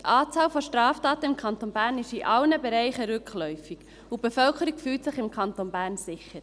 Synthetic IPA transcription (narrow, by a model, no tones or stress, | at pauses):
t̪ʔɑːt͡sɑːlfɔʃtɾɑːftɑːt̪əɪmkʰɑnt̪onbæːɾnɪʃiʔɑlnəbeɾɛɪχəɾʏkχlɔʏfiɡ̥ | ub̥efœlkʰəɾikfyːltsɪχɪmkʰɑnt̪onbæːɾnzɪçəɾ